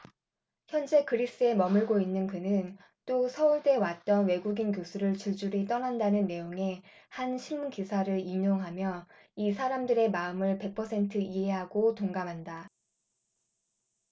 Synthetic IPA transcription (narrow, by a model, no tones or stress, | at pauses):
çjʌnd͡ʑe̞kɯɾis͈ɯe̞mʌmɯɭɡoinːɯnkɯnɯn | t͈osʰʌuɭd͈e̞wat̚t͈ʌnwe̞ɡuɡink̬josʰuɾɯɭt͡ɕuɭd͡ʑuɾit͈ʌnandanɯnːe̞joŋe̞ | hanɕʰimukisʰaɾɯɾiɲoŋɦamjʌ | isʰaɾamdɯɾe̞maɯmɯɭpe̞k̚pʰʌsʰe̞ntʰɯiɦe̞ɦaɡotoŋɡamɦanda